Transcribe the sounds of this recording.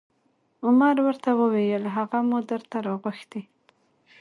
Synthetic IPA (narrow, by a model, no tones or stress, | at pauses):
ʊmaɾwəɾt̪awəwejəlɦaɣamud̪əɾt̪aɾɑɣaxd̪i